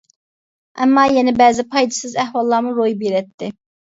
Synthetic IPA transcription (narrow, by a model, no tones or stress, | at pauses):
ɛ̰mːɑːjɛnɪbæːzɪpʰɑjd̪ɨsɨzæhwɑlˠːɑɾmuɾojbiɾɛt̪ʰːɪ